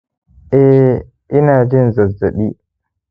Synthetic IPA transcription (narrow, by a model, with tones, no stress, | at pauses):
ʔɛ˦ | ʔɪ˦naː˨d͡ʒɪ˦nzɐ˨zɐ˨ɗiː˦